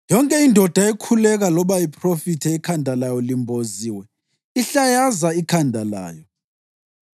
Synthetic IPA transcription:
jɔŋkʼɛindʱɔd̥ʱaekʰulɛɣ̬alɔɓaipʼrofitʰɛikʰandʱalajɔlimbʱoziwɛ | iɬajazaikʰandʱala̰ːjɔ

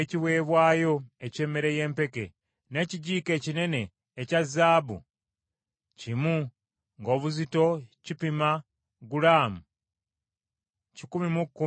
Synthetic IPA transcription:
eciβwe̞ːβwaːjo̞ece̞ːmːe̞ɾe̞je̞ːmpe̞ke̞̰ | ne̞ːciɟiːke̞ːcine̞ne̞ː | cazːaːβṵ | cimu | ŋɡo̞ːβuzito̞cipima | ɡulaːmu | cikumimukːu

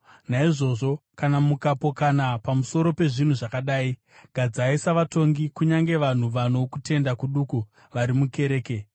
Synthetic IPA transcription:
naiʐo̞ːʐo̞kanamukapo̞kanapamuso̞ɾo̞pe̞ʐin̤uʐakaɗaːi | ɡ̥ʱad͡zaisaʋato̞ŋɡikuɲaŋɡe̞ʋan̤uʋanokute̞ndakuɗuku | ʋaɾimuke̞ɾe̞ːke̞

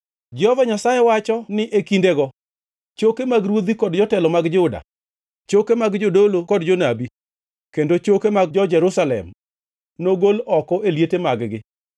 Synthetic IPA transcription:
d͡ʒɔvaɲasajewat͡ʃɔnɪʔekindeɡɔ | t͡ʃokemaɡɾwod̪ikɔdd͡ʒɔtɛlɔmaɡd͡ʒʊda̰ | t͡ʃokemaɡd͡ʒodolokɔdd͡ʒonabi | kendot͡ʃokemaɡd͡ʒɔd͡ʒɛɾʊsalɛ̰m | noɡolɔkɔʔeljetemaɡɡɪ

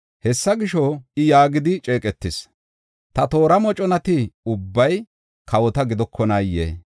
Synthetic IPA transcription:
hɛsːɐɡɪʃɔɪjaːɡɪd̪ɪt͡ʃʼe̞ːkʼɛt̪ːɪs | t̪ɐt̪o̞ːɾɐmɔt͡ʃʼɔnɐt̪ɪʊbːɐj | kɐwɔt̪ɐɡɪd̪ɔkʰːɔnɐjːḛː

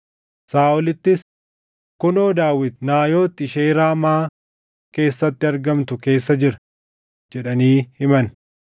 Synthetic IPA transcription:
saːʔʊlɪt̪ːɪs | kʊnoːd̪aːwɪd̪naːjo̞ːt̪ːɪʃeːɾaːmaː | ke̞ːsːɐt̪ːɪɐɾɡɐmt̪ʊke̞ːs̬ːɐd͡ʒɪɾɐ | d͡ʒɛᶑɐniːhɪmɐn

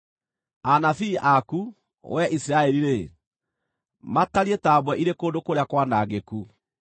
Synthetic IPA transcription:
anafiʔaku | wʔɛʔisiɾaɛɾiɾe | mataɾietabwɛʔiɾekoːndokoɾeakwanaɣeku

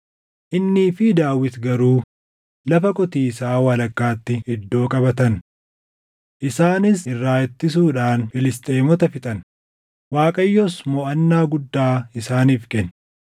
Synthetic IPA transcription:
ʔɪnːiːfɪd̪aːwɪt̪ɡɐɾuː | lɐfɐkʼɔt̪iːsaːwɐlɐkːaːt̪ːɪhɪd̪ːo̞ːkʼɐbɐt̪ɐn | ʔɪsaːnɪsɪrːaːjɛt̪ːɪs̬uːᶑaːnfɪlɪst̪ʼeːmɔt̪ɐfɪt̪ʼɐn | waːkʼɐjːɔsmɔːʔɐnːaːɡʊd̪ːaːɪsaːniːfkʼɛn

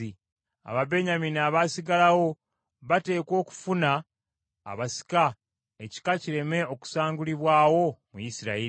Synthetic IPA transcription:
i | a̰βabe̞ɲaminaːβaːsiɡalawo̞ | βate̞ːko̞ːku̥funa̰ː | βasi̥ka | eci̥kaciɾe̞me̞o̞ku̥saːŋɡuliβwaːwo̞mujisiɾai

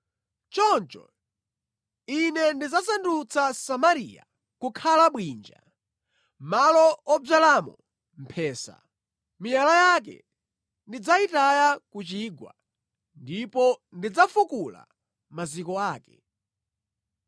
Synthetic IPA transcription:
t͡ʃɔnt͡ʃɔ̰ | inɛndid͡zasandut͡sasamaɾija̰ | kukʰalaɓwind͡ʒa̰ | malɔɔb͡ʐalamɔ̰ | m̩pʰɛːsa̰ | mijalajak̬ɛ̰ | ndid͡zaitajakut͡ʃiːɡwa̰ | ndipɔndid͡zafukula̰ | mazikɔaːkɛ

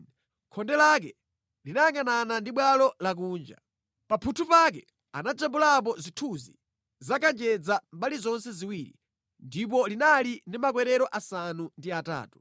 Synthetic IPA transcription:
kʰɔndɛlak̬ɛ | linajaŋananandiɓwalɔlak̬uːnd͡ʒa̰ | papʰutʰupak̬ɛ | a̰nad͡ʒambulap̬ɔzitʰuzi | zakand͡ʒɛd͡zambalizɔnsɛziwiːɾḭ | ndip̬ɔlinalindimak̬wɛɾɛɾɔʔasanundiata̰ːtu̥

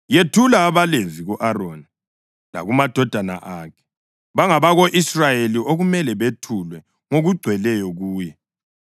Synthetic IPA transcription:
jetʰulaːβalenzʱiɣuʔaronɛ | la̰ɣumad̥ʱɔd̥ʱana̰ʔaːkʰɛ̥ | βaŋaβaɣoʔisrajeliʔoɣumɛlɛβetʰulwɛ | ŋoɣuɡ͡ǀʱwɛlɛjɔɣuːjɛ

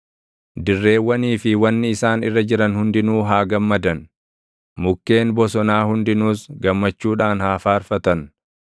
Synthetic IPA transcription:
d̪ɪrːe̞ːwːɐniːfɪwɐnːɪɪsaːnɪrːɐd͡ʒɪɾɐnhʊnd̪ɪnuːɦaːɡɐmːɐd̪ɐn | mʊkːe̞ːnbɔsɔnaːhʊnd̪ɪnuːsɡɐmːɐt͡ʃːuːᶑaːnhaːfaːɾfɐt̪ɐn

